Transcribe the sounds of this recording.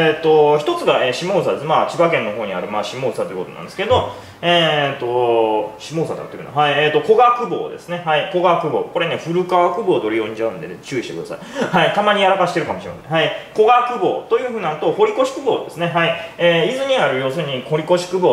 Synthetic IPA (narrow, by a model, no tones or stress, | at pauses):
et̪ːo̞çi̥t̪o̞t͡sɨɡaeːɕimo̞ːs̬ad̪e̞smaːt͡ɕibakẽnːo̞ɦo̞ːɲ̟iaɾɯ̟maːɕimo̞ːsat̪o̞ji̟ko̞t̪oã̰nd̪esɨ̥ked̪o̞ | eːt̪o̞ɕimo̞ːsad̪akːt̪ojiɯ̰n̰haieːt̪o̞ko̞ɡakɯ̟bo̞̰ːd̪e̞̰sɨne̞haiko̞ɡakɯ̟bo̞̰ːko̞ɾe̞ne̞ɸɯ̟ɾɯ̟kaβakɯ̟bo̞ːd̪o̞ɾʲijõ̞ɲ̟d͡ʑaɯ̟̃nd̪e̞̰net͡ɕɨ̟ːiɕit̪ekɯd̪a̰saihait̪amaɲ̟ijaɾakaɕi̥t̪eɾɯ̟kamoɕiɾema̰sẽhaiko̞ɡakɯ̟bo̞̰ːt̪o̞jɯ̟ɸɯ̟ːnat̪o̞ho̞ɾʲiko̞ɕi̥kɯ̟bo̞ːd̪e̞sɨne̞ɦaieːizɨɲ̟iaɾɯ̟jo̞ːsɨɲ̟iko̞ɾʲiko̞ɕi̥kɯ̟bo̞ː